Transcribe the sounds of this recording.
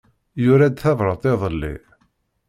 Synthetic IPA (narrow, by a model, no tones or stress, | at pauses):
jʊɾæd̪θævɾˤət̪ˤeðˤəlːḭ